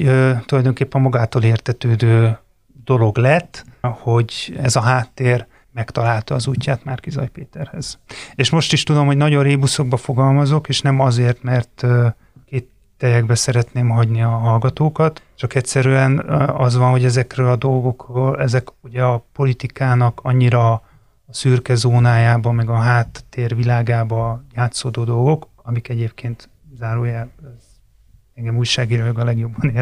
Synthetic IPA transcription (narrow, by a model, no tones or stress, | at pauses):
øt̪ulɒjd̪o̞ŋkeːpːɛmmɒɡaːt̪oːleːrt̪ɛt̪øːd̪øː | d̪o̞lo̞ɡlɛt̪ːho̞ɟɛzɒɦaːt̪ːeːr | mɛkt̪ɒlaːlt̪ɒːzuːcːaːt̪maːrkizɒ̰jpeːt̪ɛrhɛz̥eːʃmo̞ʃt̪iʃt̪ud̪o̞mhonɒɟo̞rreːbuso̞ɡ̚bɒfo̞ɡɒlmɒzo̞keːʃnɛmɒzeːrt̪mɛrt̪ø | keːt̪ːɛjɛɡ̚bɛsɛɾɛt̪neːmɦɒɟniɒɦɒlɡɒt̪oːkɒt̪t͡ʃɒkɛcsɛɾyɛnɒzʋɒnɦo̞ɟɛzɛkrøːlɒd̪o̞lɡo̞kroːlɛzɛkuɟɛɒpo̞lit̪ikaːnɒkɒɲːiɾɒ | ɒsyːrkɛzoːnaːjaːbɒmɛɡɒɦaːt̪ːeːrvilaːɡaːbɒjaːt̪soːd̪oːd̪o̞lɡo̞k | ɒmikɛɟeːp̚keːnt̪ | zaːɾoːjaɛz | ɛŋɡɛmuːjʃaːɡiːɾojoɡɒlɛɡjo̞bːɒneː